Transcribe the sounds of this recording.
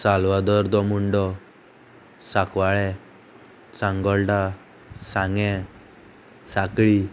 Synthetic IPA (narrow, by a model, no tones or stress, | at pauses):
salʋad̪ɔɾd̪ɔmuɳɖɔ | sakʋaɭɛ | sãŋɡɔɭʈa | saŋɡɛ̃ | sakɭi